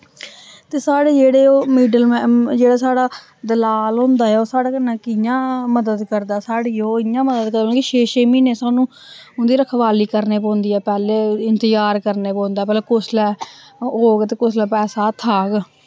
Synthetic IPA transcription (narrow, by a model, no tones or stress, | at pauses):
t̪eːsaːɽeːd͡ʒeːɽeːoːmiːɖəlmɛd͡ʒeːɽaːsaːɽaː | d̪əlaːlɦõːnd̪aːɛːoːsaːɽaːkənːãːkɪjãːməd̪əd̪kəɾd̪aːsaːɽiːoːɪjãːməd̪əd̪kəɾd̪ãkiʃeːʃeːmiːnẽːsaːnũː | ʊnd̪iːɾəkʰʋaːliːkəɾneːp̬õːnd̪iːɛːpɛːleːɪnt̪əjaːɾkəɾneːpɔ̃ːnd̪aːpɛːleːkʊslɛː | ɦoːɡt̪eːkʊslɛːpɛːsaːt̪ʰaːɡ